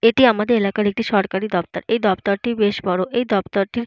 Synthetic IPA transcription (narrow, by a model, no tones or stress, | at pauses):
eʈiamad̪eɾelakaɾek̚ʈiʃɔɾkaɾid̪ɔpt̪aɾejd̪ɔpt̪oɾʈibeʃbɔɾoʔejd̪ɔbt̪oɾʈiɾ